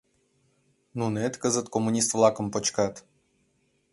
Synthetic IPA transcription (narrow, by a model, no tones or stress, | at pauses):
nunet̪kəzət̪komunʲist̪vlˠɑkə̆mpot͡ɕkat̪